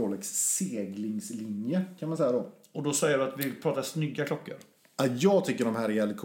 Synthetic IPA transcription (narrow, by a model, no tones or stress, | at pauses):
oːlɛksːeːɡlɪŋslɪnjəkʰanmansɛjːad̪ɔ | ɔd̪ɔsɛjːəɖɵat̪vɪpʰɾɑːt̪asnʏɡːakʰlɔkːə̰ɾ | ajɑːɡ̚t̪ʰʏkːəɖɔmɦæːɾɪɛlːəkʰ